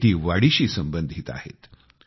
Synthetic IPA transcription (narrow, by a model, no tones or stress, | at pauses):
t̪iːʋaɽiɕiːsəmbənd̪ʱit̪a̰hḛt̪